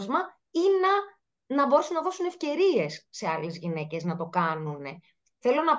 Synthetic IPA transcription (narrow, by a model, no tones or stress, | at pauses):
zmɐ | inɐ | nɐbo̞ɾesunːɐðo̞sune̞fce̞ɾie̞sːe̞ɐle̞zʝine̞ce̞znɐt̪o̞kɐnune̞̰ | θe̞lo̞nɐ